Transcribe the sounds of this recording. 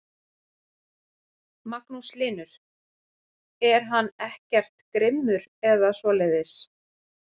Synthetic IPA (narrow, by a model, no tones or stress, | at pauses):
maknuslɪːnʏɾ̥ | ɛɾ̥ɦanːɛhcɛr̥t̪kɾɪmːʏɾɛðasvɔːleːjðɪs